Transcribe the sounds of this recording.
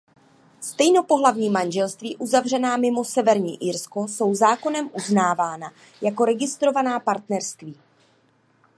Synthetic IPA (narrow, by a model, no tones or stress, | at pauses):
st̪ɛjno̞po̞ɦlavɲiːmanʒɛlst̪viːʔuzavr̝ɛnaːmɪmo̞sɛvɛɾɲḭːʔɪɾsko̞so̞wzaːko̞nɛmʔuznaːvaːna | jako̞ɾɛɡɪst̪ɾo̞vanaːpaɾt̪nɛɾst̪viː